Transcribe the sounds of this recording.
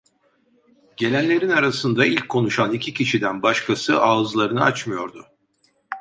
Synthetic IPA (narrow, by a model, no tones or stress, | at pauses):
ɟ̥e̞lʲænlʲe̞ɾinaɾasɯnd̪ailʲcʰːo̞nuʃanicʰiciʃid̪ænbaʃkʰasɯʔaːzlˠaɾɯnɯa̰t͡ʃmɯjo̞ɾd̪ʊ